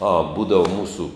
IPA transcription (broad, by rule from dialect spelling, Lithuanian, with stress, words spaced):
ɐ ˈbuːdɐʋɐ ˈmuːsuː